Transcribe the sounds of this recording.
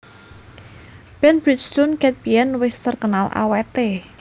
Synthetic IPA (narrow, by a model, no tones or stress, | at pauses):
pɛnbɾit̪st̪unkɛt̪̚piɛnwɪst̪ərkənalʔa̰wɛt̪e